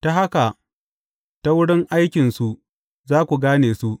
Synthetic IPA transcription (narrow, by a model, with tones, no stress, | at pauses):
ta˦ɦa˦ka˨ | ta˦wʊ˦ɽɪ˦ŋʔa˦jkʲɪ˨nsu˨ʔ | zaː˦kʷu˨ɡaː˦neː˨su˦ʔ